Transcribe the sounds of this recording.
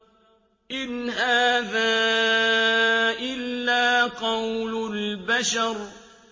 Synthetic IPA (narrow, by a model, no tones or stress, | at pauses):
ʔɪnɦaːðaː | ʔɪlːaːqɑwlʊlbaʃɑɾˤ